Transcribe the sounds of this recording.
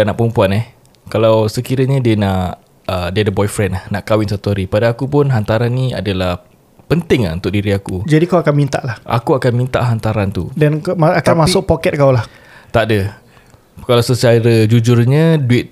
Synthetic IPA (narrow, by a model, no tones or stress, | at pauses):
anaʔpəumpuanɛh | kalawsəkiɾəɲadiənãʔʔ | ədiadəbɔjfɾɛnahnaʔkawɪnsat̪uaɾipadaakupʊnɦant̪aɾanːia̰dalah | pənt̪ɪŋa̰unt̪ʊk̚diɾiakud͡ʒadikawakanmint̪a̰ʔlahʔa̰kuakanmint̪a̰ʔɦant̪aɾant̪ṵdanaakanmasʊk̚pokɛt̪̚kawlah | t̪aʔdə | kalawsət͡ʃaɾəd͡ʒud͡ʒʊrɲãduɪt̪̚